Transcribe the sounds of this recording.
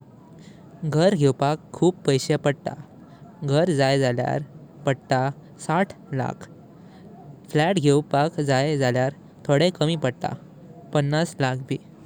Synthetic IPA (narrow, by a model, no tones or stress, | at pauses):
ɡʱəɾɡʱewpakʰːuːppəjɕepəɽt̪a̰ | ɡʱəɾd͡zajd͡zalja̰ɾpəɽt̪a | saʈʰla̰kʰ | flæʈɡʱewpakd͡zajd͡zʱaljaɾ | t̪ʰoɽekəmiːpəɽt̪a̰ | pənːaslak̚ʰbʱiː